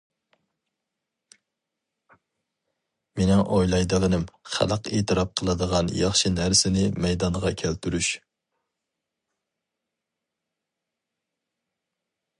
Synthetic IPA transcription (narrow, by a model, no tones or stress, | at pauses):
menɪŋʔojlˠɑjd̪ɨlɨnɪmχæ̰lˠəqeːt̪ʰɨɾɑp̚qʰəlˠɨd̪əʁɑnjɑχʃinæɾsɪnɪmɛjd̪ɑnʁɑkʲʰælt̪ʰyɾyʃ